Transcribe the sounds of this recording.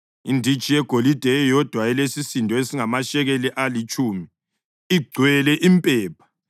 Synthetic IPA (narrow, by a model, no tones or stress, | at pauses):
indʱi̥t͡ʃʼijɛɡ̥ʱolid̥ʱɛɔjɔd̥ʱwaɛlesisindʱʼɔesiŋamaʃɛɣeliʔalit͡ʃʼuːmi | iɡ͡ǀʱwɛlɛʔimpʼɛːpʰḁ